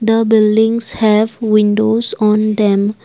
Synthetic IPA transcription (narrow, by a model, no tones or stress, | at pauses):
d̪əbildĩŋshɛvwĩndosɔ̃nd̪ɛ̃m